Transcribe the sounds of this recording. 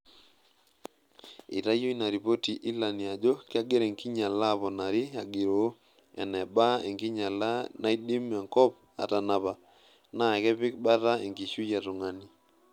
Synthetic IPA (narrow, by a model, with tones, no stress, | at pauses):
ḭ˨ta˦jo˦i˦na˨ɾi˨po˦ti˨ʔi˦la˨nja˨d͡ʒo˦kɪ˦a˦ɡɪ˦ɾe˨ŋki˦ɲa˨la˦˨βɔ˨na˨ɾi˦a˨ɡɪ˨ɾo˨˦ | ɛ̰˨nɛ˨ba˦e˨ŋki˦ɲa˨la˦na˦i˦di˦m˦a˨ŋkɔ˦p̚ | a̰˨ta˨na˨βa˨ | na˨kɛ˦pɪ˦k̚ba˦ta˦e˨ŋɡi˨ʃu˦ja˨tɔ˨ŋa˨ni˨